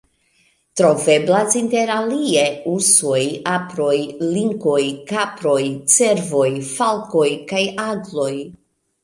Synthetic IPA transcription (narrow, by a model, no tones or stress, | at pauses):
tɾo̞ve̞blasinte̞ɾalie̞uso̞japɾo̞jliŋko̞jkapɾo̞jt͡se̞ɾvo̞jfalko̞jkajaɡlo̞j